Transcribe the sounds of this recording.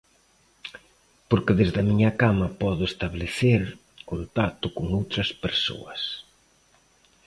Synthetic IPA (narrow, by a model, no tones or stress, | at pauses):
poɾkɪðezðɐmiɲɐkamɐpɔðʊest̪aβleθeɾ | ont̪at̪ʊkoŋowt̪ɾɐspeɾso̰ɐs